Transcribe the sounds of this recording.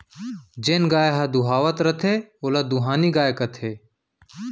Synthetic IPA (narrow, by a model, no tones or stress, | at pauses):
d͡ʒenɡaːjɦɐd̪uɦaːʋət̪ɾɐt̪ʰeolɐd̪uɦaːniɡaːjekɐt̪ʰeː